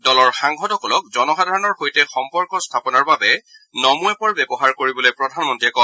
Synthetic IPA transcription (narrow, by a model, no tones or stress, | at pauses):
dɔlɔɹxaŋɡɔdɔkɔlɔk̚zɔnɔxadʱaɹɔnɔɹxojtɛxɔmpɔɹkɔstʰapɔnaɹbabɛ | nɔmuɛpɔɹbɛbɔxaɹkoɹibɔlojpɹɔdʱanmɔntiɛkɔ